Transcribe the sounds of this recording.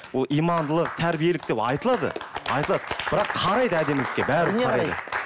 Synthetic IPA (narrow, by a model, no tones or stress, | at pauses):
wo̞lˠijmɑnd̪əlˠəq̚t̪ʰæɾbije̞lɪk̚t̪e̞pɑ̰jt̪əlˠɑd̪ə̰ɑ̰jt̪əlˠɑd̪əbɪɾɑqʰɑɾɑjd̪əæd̪e̞mlɪkʲːe̞bæɾʰɑɾɑjd̪ə̰